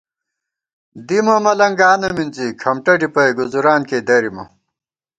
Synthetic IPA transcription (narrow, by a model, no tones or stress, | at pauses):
d̪imɐmɐlɐŋɡaːnɐminzikʰɐmʈɐɖipɐjɡuzuɾaːnkeːd̪ɐɾimɐ